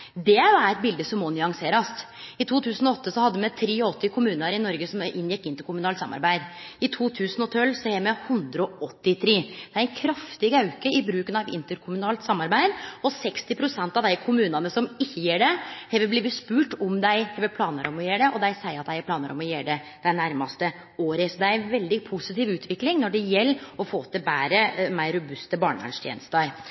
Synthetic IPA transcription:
d̪ɛæjʊæɾɛt̪̚bɪld̪əsɔmːɔnʏɑŋseːɾɑst̪ | ɪt̪ʰuːt̪ʰʉːsənɔɔt̪ːəsɔhɑd̪ːəmɛt̪ʰɾeːɔt̪ːɪkʰʊmʉːnəɾɪnɔɾɡəsɔmʔɪnjɛkːɪnt̪əɾkʊmʉnɑːlt̪sɑ̰mːɑ̰ɾbæɪd̪ɪt̪ʰuːt̪ʰʉːsənɔt̪ʰœlːsɔhɛmɛhʉnd̪ɾəɔɔt̪ːɪt̪ʰɾeːd̪̥ɛæɾæɪnkʰɾɑft̪ɪɡɑʉkəɪbɾʉːkənɑʋɪ̰nt̪əɾkʰʊmʉnɑːlt̪sɑmːɑɾbæɪd̪ɔsɛkst̪ɪpʰɾʊsɛnt̪ɑʋd̪æɪkʰʊmʉːnɑnəsɔmɪçːəjeːɖɛhɛʋəbliːʋəspʉːʈɔmd̪æɪhɛʋəpʰlɑːnəɾɔmɔjeːɖɛʔɔd̪æɪsæɪɾɑt̪̚d̪æɪɛɾplɑːnə̰ɾɔ̰mɔjeːɖɛd̪̥æɪnæɾmɑst̪ə | oːɾəsɔd̪ɛæɾænʋɛld̪ɪpʰusɪt̪iːʋʉːt̪ʰʋɪklɪŋnɔɖɛjɛlːɔfoːt̪ʰɪbæːɾəmæɪɾːʊbʉst̪əbɑːɳəɡɑ̰nʂt̪ʰjḛːnəst̪ɑɾ

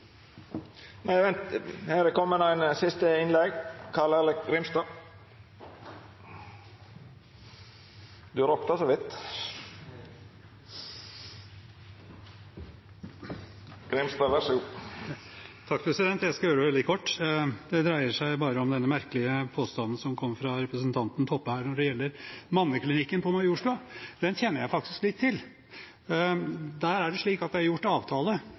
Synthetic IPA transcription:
nʔæɪʋɛnt̪hæːɾkʰɔmːənæɪnsɪst̪əɪnlɛɡkʰɑlələɡɾɪmst̪ɑː | d̪ʉɾɔkt̪asɔʋɪt̪ː | ɡ̥ɾɛmst̪ɑːʋæʂʉː | t̪ʰɑkːpʰɾɛsɪd̪ɛnt̪jæɪskɑjøːɖəʋɛld̪ɪkʰɔʈːd̪ɛd̪ɾæɪəʂæɪbɑːɾəɔmd̪ɛnːəmæɾkəlɪəpʰoːst̪ɑnːn̩sɔmkʰɔmːfɾɑɾɛpɾəsənt̪ʰɑnt̪n̩t̪ʰɔpːəhæːɾɳɔɖɛjɛlːəɾmɑnːəkʰlɪnɪkːənpʰɔmɛjuːʂʈʉɑd̪̥ɛnçɛnːəɾjæɪfɑk̚t̪ɪsklɪt̪ʰːɪl | d̪æːɾæɖɛʂɭiːkɑt̪d̪æhɑɾjʊʈːɑːʋt̪ʰɑːlə

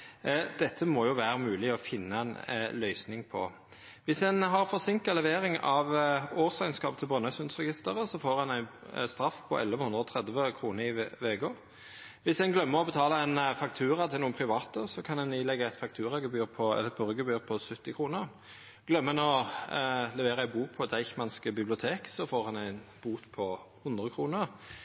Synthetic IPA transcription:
d̪ɛt̪ʰːəmɔjʊʋæːɾəmʉːlɪɔfɪnːəɛnlœʏsnɪŋpʰɔ̰ | ʋɪsɛnɦɑʁfɔʁsɪŋkəlɛʋeːɾɪŋɑʋoːʁsæɪnskɑːp̚t̪ʰɪlbʁœnœsʉnsʁɛɡɪst̪əʁəsɔfoːɾɛnæɪnst̪ɾɑfːpʰɔ̰ʔɛ̰lʋəhʉnd̪ʁəɔt̪ʰʁɛd̪ʋəkʰʁuːnəɾɪʋɛɡoːɾ | ʋɪsd̪ɛnɡlœmːəʁɔbət̪ʰɑːləɛɪnfɑk̚t̪ʰʉːɾɑt̪ʰɪluːənpʰɾɪʋɑːt̪əsɔkʰɑnɛnɪlɛɡəæɪt̪fɑk̚t̪ʰʉːɾɑɡəbyːʁpʰɔɛ̰lət̪̚bœɾɡəbyːʁpʰɔsʉt̪ːɪkʰʁuːnəʁ | ɡ̥lœmːəɛnɔ | lɛʋeːɾəæɪbuːk̚pʰɔd̪æɪçmɑnskəbɪblɪʊt̪ʰeːksɔfoːʁhɑnæɪnb̥uːt̪pʰɔhʊnd̪ʁəkʰʁuːnəʁ

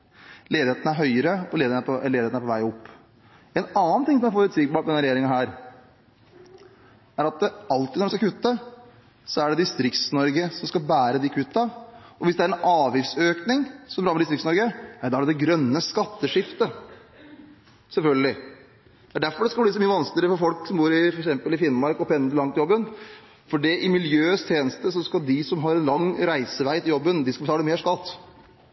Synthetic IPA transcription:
leːd̪ɪheːt̪n̩æɾɦœʏəɾəɔeːd̪ɪənpʰɔɛleːd̪ɪet̪æɾpʰɔʋæɪɔpː | ɛnɑːn̩t̪ɪŋsɔmæɾfɔɾʉt̪sɪɡbɑːʈ̚d̪ɛnəɾɛjeːɾɪŋənɦæːɾ | æɾɑt̪̚d̪ɑlt̪ɪnɔɖɾɛskɑkʰʉt̪ːə | sɔæɖɛd̪ɪst̪ɾɪkt̪snɔɾɡəsɔmskɑlbæːɾəd̪ɪkʰʉt̪ːɑɔʋɪsd̪ɛæɾɛnʔɑːʋjɪftsøːknɪŋsɔmb̪ɾɑːɾmɛd̪ɪst̪ɾɪksnɔɾɡənæɪd̪ɑæɖɛd̪ɛɡɾœnːəskɑt̪ːəʂɪft̪ə | sɛlfœlɡəlɪ | d̪ɛæɖæɾfɔɾɖɛskɑlblɪd̪ɪsɔmiːəʋɑnskləɾəfɔɾfɔlksɔmbuːɾɪfɔɾɛksɛmpəlɪfɪnːmɑɾkɔpʰɛnːəəlɑŋt̪ɪjɔbːən | fɔɖɛʔɪmɪljøːst̪ʰjeːnəst̪əsɔskɑd̪ɪsɔmɦɑɾɛnlɑŋːɾæɪsəʋæɪt̪ɪjɔbːənd̪ɪskɑbət̪ɑːləmeːʂkɑt̪ː

